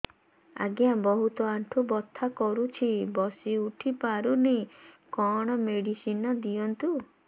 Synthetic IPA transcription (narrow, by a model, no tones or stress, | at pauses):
a̰ɡjabɔɦut̪ɔaɳʈʰubɔt̪ʰːakɔɾut͡ʃʰibɔsiuʈʰipaɾunekɔɽ̃ɔmeɽisinɔd̪iɔnt̪u